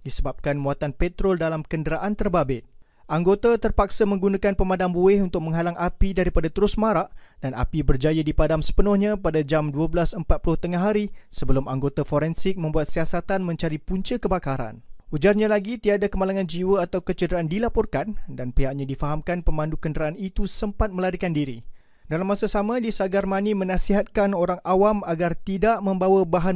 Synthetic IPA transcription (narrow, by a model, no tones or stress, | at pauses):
disəbap̚kanmuat̪anpɛt̪ɾɔldalamkəndəɾaʔant̪ərbabɪt̪̚ | ʔaŋɡot̪at̪ərpaksamə̃ŋɡunãkanpəmãdambuɪhunt̪ʊk̚mə̃ŋɦalaŋapidaɾipadat̪əɾʊsmãɾaʔd̥ana̰pibərd͡ʒajədipadamsə̥pənʊhɲãpadad͡ʒamduəbəlasəmpat̪̚pulʊht̪əŋaɦaɾisəbəlʊmaŋɡot̪afoɾɛnsɪk̚mə̃mbuat̪̚siasat̪anmə̃ɲt͡ʃaɾipuɲt͡ʃəkəbakaɾa̰nʔud͡ʒarɲãlaɡit̪iadakəmalaŋãnd͡ʒiwəat̪awkət͡ʃədəɾaandilapɔrkandanpeɦaʔɲãdifaɦamkanpəmãndukəndəɾaːnit̪usəmpat̪̚məlaɾikandiɾḭ | dalamːãsasamãdisaɡarmãnimə̃nãsiɦat̪̚kanoɾaŋawamaɡart̪idaʔmə̃mbawabaɦan